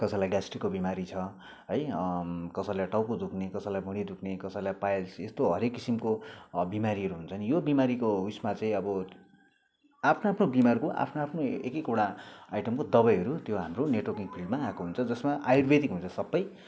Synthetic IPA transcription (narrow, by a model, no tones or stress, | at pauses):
kʌsʌjlajɡasʈrikːobimaɾit͡sʰʌ | ɦʌjkʌsʌjlaʈawpod̪ukʰnekʌsalajbʱuɽ̃id̪ukʰnekʌsajlajpajlsest̪oɦʌɾekːisimkobimaɾiɦʌɾuɦunt͡sʰʌnijobimaɾikoɦusmat͡saĩʌbʌ | apʰnoapʰnobimarkoʔa̰pʰnoapʰnoekekoɽaajʈʌmkod̪ʌbʌjɦʌɾut̪joɦamroneʈwʌkiŋpʰilɖmaːkoɦunt͡sʰʌd͡zʌsmaʔajurbed̪ikɦunt͡sʰʌsʌbːʌj